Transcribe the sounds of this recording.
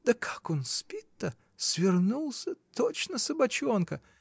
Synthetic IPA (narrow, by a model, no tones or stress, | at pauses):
d̪̥əkʰḁko̞nspʲit̪ːə | sʲvʲɪrnulˠsʲət̪ot͡ɕnəsəbɐt͡ɕo̞nkə